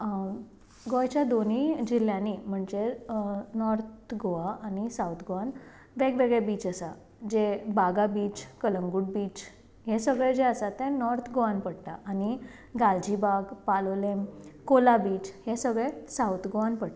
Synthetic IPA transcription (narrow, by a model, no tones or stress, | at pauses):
ɡojt͡ɕjad̪onid͡ʑil̤ːjãnim̤əɳd͡ze | nɔɾt̪ɡoaañisawt̪ʰɡoʋan | ʋeɡʋeɡɭɛbiːt͡səsa | d͡ʑebaɡabiːt͡ɕkələŋɡuːɽ̚biːt͡ɕ | ɦesəɡɭɛd͡ʑeəsat̪ẽnɔɾt̪ʰɡoʋanpəɽt̪a̰ʔañi | ɡald͡ʑibaɡpalolemkolabiːt͡ɕhesəɡɭɛsawt̪ʰɡoʋanpəɽt̪a